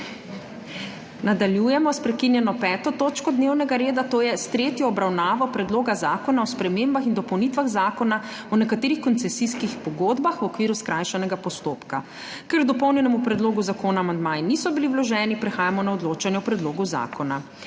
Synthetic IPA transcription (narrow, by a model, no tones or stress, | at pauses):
nad̪aljujɛmɔspɾɛkinjɛnɔpɛːt̪ɔt̪oːt͡ʃkɔd̪neːwnɛɡaɾeːd̪at̪oːjɛst̪ɾeːt̪jɔːbɾawnaːʋɔpɾɛd̪loːɡazaːkɔnaɔspɾɛmeːmbaxind̪ɔpɔwnit̪ʋaɣzaːkɔna | ɔnɛkat̪eːɾixkɔnt̪sɛsiskixpɔɡoːd̪baxwɔkʋiːɾuskɾaːjʃanɛɡapɔst̪oːpka | kɛɾɡd̪ɔpɔwnjɛnɛmupɾɛd̪loːɡuzakoːnaːmand̪maːjinisɔbiliwlɔʒɛːnipɾɛxaːjamɔnaɔd̪loːt͡ʃanjɛɔpɾɛd̪loːɡuza̰kʰɔna